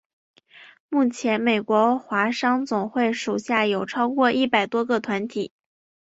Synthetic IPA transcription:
mu˥˩t͡ɕʰjɛ˧˥nme˨˩ɪkwɔ˧˥xwa˧˥ʂɑ˥ŋt͡sʊ˨˩ŋxwe˥˩ɪʂu˨˩ɕja˥˩jo˨˩ʊʈ͡ʂʰɑ˥ʊkwɔ˥˧ʔi˥˩pa˨˩ɪt̪wɔ˥ɡɤ˥˧t̪ʰwa˧˥nt̪ʰi˨˩˦

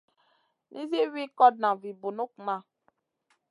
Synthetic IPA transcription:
nʔḭ˦zi˦wi˦kɔ˦d̚nã˨vi˨bo˨nu˦kma˦˨

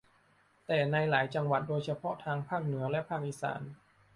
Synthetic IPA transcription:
t̪ɛː˨˩na˧jlaː˩˦jt͡ɕa˧ŋwa˨t̪̚doː˧jt͡ɕʰa˧pʰɔ˦˥t̪ʰaː˧ŋpʰaː˥˩k̚nɯ˩˦ɐlɛ˦˥pʰaː˥˩k̚ʔi˨˩sa̰ː˩˦n

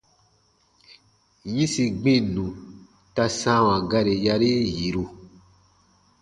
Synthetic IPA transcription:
jĩ˦si˧ɡ͡bẽ˦˨nũ˨ | ta˧sã˦wã˨ɡa˦ɾe˨ja˧ɾi˦ji˨ɾu˧

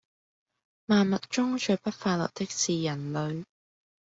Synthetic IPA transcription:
maː˨nmɐ˨t̚t͡ʃʊ˥ŋt͡ʃʰɵ˨˧ɥpɐ˥t̚faː˧t̚lɐ̰˨p̚t̪ɪ˥k̚siː˨jɐ˨˩nlɵ˨˧ɥ

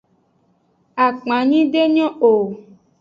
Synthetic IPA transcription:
a˨k͡pã˨ɲĩ˦ɖe˦ɲɔ̃˦o˨

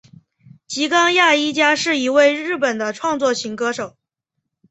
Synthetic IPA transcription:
t͡ɕi˧˥kɑ˥ŋja˥˩i˥t͡ɕja˥ʂɻ̩˥˩i˧˥we˥˧ɪɻɻ̩˥˩pə˨˩nd̪ə˦ʈ͡ʂʰwɑ˥˧ŋt͡swɔ˥˩ɕi˧˥ŋkɤ˥ʂo˨˩˦ʊ

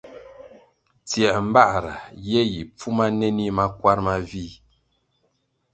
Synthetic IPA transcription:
tjɛ˨ʔm̩˦ba˦˨ʔɾa˨je˦ji˨p͡fu˦ma˦nɛ˦ni˦ma˦kwa˦ɾma˦vi˦˨

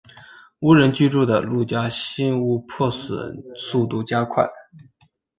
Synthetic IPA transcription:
u˧˥ɻə˧˥nt͡ɕy˥ʈ͡ʂu˥˩d̪ə˩lu˥˩t͡ɕja˥ɕi˥nu˥pʰwɔ˥˩swə̰˨˩˦nsu˥˧t̪u˥˩t͡ɕja˥kʰwa˥˩ɪ

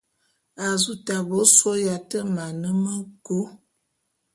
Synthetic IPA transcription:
a˨zu˦ta˨bo˦so˦ja˨tə˦ma˨nə˦mə˦ɡo˦

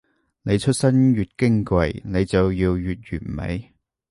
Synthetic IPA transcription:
ne˨˧jt͡ʃʰɵ˥t̚sɐ˥njyː˨t̚kɪ˥ŋkwɐ˨˧jne˨˧jt͡sɐ˨wjiː˧wjyː˨t̚jyː˨˩nmḛ˨˧j

